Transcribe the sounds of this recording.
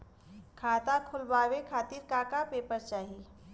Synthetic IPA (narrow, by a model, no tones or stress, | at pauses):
kʰaːt̪akʰʊlbaːwekʰaːt̪iːɾkaːkapeːpəɾt͡ʃaːɦi